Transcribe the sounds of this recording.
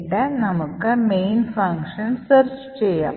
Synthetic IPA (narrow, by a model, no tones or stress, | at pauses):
ʈːɐnɐmɐkːɐmeːnfɐŋkʂɐnsɐɾt͡ʃ | t͡ɕejːa